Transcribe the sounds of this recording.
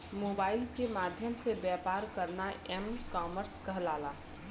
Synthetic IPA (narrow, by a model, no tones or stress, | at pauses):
moːbaːɪlkemaːd̪ʱjəmsebjɛːpaːɾkəɾnaɛmkaːməɾskɐɦlaːlaː